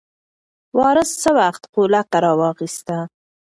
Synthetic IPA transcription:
wɑɾəst͡səwaxt̪qolakaɾɑwɑxist̪a

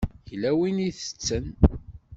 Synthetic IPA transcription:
çlæwiniθə̥t͡sːən

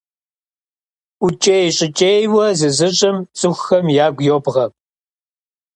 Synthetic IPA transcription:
ut͡ʃʼejɕʼɪt͡ʃʼejwɐzɨzɨɕʼɪmt͡sʼɨxxɐmjaːɡʷjoːbʁɐ

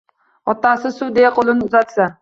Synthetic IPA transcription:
ɒt̪ɑːsɨsud̪ejɛqʰolˠɨnɨuzɑt̪sɑ

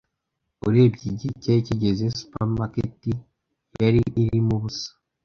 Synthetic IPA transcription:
uɾebɟiɟiceciɟe̞ze̞su̥pamaketi | jaɾiʔiɾimuβusḁ

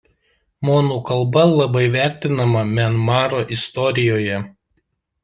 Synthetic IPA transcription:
moːnuːkɐlˠbɐlˠɐbɐɪʋʲæˑɾʲt̪ʲɪnɐmɐmʲɛnmɑːɾoʔɪst̪ɔɾʲɪjoːjɛ

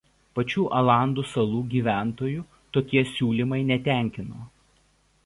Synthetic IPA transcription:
pɐt͡ʃʲuːʔɐlˠɑˑnd̪uːsɐlˠuːɡʲiːʋʲæˑnt̪oːjuː | t̪oːkʲiɛsʲuːlʲimɐɪnʲɛt̪ʲæˑŋʲkʲɪnoː

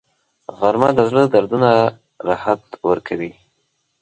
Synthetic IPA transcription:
ɣaɾmad̪əzləd̪aɾd̪una | ɾahat̪wəɾkʰawi

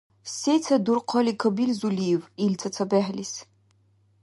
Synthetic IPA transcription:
sejt͡sʰɐdurqʰɔlikʰɐbilzulivilt͡sʰɐt͡sʰɐbæħlis

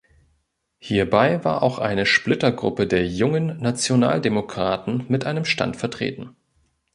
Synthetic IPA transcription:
hiːɐbaɪva̰ːɐʔa̰ʊxʔa̰ɪnəʃplɪtɐɡʁʊ̰pədeːɐjʊŋənːat͡sjona̰ːldemokʁ̥aːtn̩mɪtʔaɪnəmʃta̰ntfɛɐtʁ̥ḛːtn̩

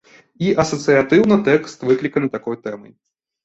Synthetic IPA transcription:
iʔɐsɐt̪sɨjat̪ɨwnɐt̪ɛkst̪vɨklʲikɐnɨt̪akɔjt̪ɛmɐ̰j

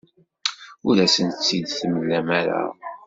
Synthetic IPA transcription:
ʊɾæsənt͡sːid̪θəməlːæmæɾæ̰

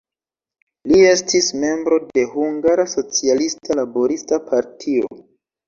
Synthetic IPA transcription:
lie̞stʰisme̞mbɾo̞de̞huŋɡaɾaso̞t͡sialistalabo̞ɾistapʰaɾtʰio̞̰

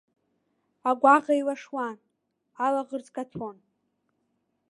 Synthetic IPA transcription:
aɡʷaqʼajwaʂwan | alaʁərt͡sʼkʼatʰon

